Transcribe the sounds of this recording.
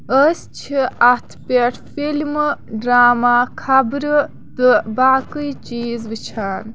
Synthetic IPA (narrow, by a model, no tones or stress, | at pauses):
əst͡ʃt͡ɕʰiat̪ʰpʲeʈʰfilmɖɾaːmakʰabɾɨ | d̪əbakɨjt͡ʃiːzʋɨt͡ʃʰaːn